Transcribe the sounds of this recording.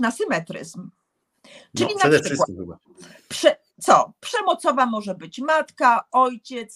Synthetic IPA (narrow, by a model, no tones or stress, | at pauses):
nasɘmɛt̪ɾɘ̰zm | t͡ʂɘlʲinawaa | pʂɛ | t̪sɔpʂɛmɔt̪sɔvamɔʐɛbɘt͡ɕmat̪kaɔjt͡ɕɛt̪s